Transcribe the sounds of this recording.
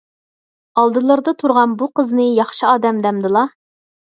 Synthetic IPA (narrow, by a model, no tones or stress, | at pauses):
ɑlˠd̪ɨlˠɨɾd̪ɑt̪ʰuɾʁɑnbuqəznɨjɑχʃɨɑːd̪ɛmd̪ɛmd̪ɨlˠɑ